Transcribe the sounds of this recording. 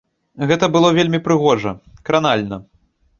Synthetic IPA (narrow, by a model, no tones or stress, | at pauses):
ɣɛt̪ɐbɨlˠɔvʲelʲmʲipɾɨɣɔʐɐkɾanalʲnɐ